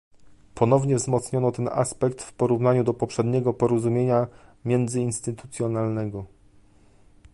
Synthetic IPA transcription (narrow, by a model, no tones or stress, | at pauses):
pɔnɔvɲɛvzmɔt̪sɲɔnɔt̪ɛna̰spɛkt̪fpɔɾuvnaɲud̪ɔpɔpʂɛd̪ɲɛɡɔpɔɾɔzumʲjeɲamʲjɛnd̪zɘinst̪ɘt̪u̥t̪sʲjɔnalnɛɡɔ